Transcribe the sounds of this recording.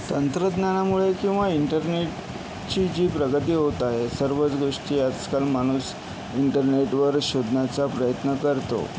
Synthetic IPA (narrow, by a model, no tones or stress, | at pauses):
t̪ənt̪ɾəd̪njañamuɭekĩw̃ʋaiɳʈəɾneʈ̚ | t͡ɕid͡ʑiːpɾəɡət̪iːɦot̪aɦesəɾʋət͡sɡoʂʈiːjat͡skalmaɽ̃uːs | iɳʈəɾneʈʋəɾɕod̪njat͡sapɾəjət̪nəkəɾt̪o̰